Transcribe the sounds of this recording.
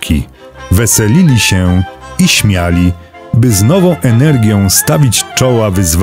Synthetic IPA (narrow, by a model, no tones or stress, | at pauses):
kʲʰḭ | vɛsɛlʲilʲiɕɛiɕmʲjalʲi | bɘznɔvɔ̃w̃ʔɛnɛɾɡʲjɔ̃w̃st̪avʲit͡ɕt͡ʂɔwavɘzv